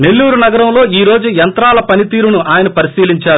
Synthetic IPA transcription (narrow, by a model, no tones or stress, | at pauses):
ne̞lːuːɾunɐɡɐɾɐmlo̞ːiːɾo̞ːd͡ʒujɐnt̪ɾaːlɐpɐnit̪iːɾunuʔaːjɐnɐpɐɾisiːliɲt͡ʃaːɾu